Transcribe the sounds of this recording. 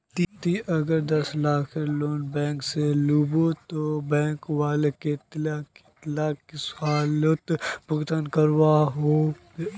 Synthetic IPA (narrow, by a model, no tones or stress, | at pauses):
t̪it̪iʔɐɡəɾd̪ɐslaːkʰeloːnbɛ̃ːŋkseluːbot̪obɛ̃ːŋkwaːleket̪laket̪laːkːisaːlot̪bʊɡt̪ənkəɾwaːɦoː